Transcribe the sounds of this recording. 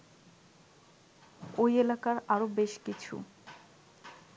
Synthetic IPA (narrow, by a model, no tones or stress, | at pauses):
ojelakaɾaɾobeʃkit͡ɕʰṵ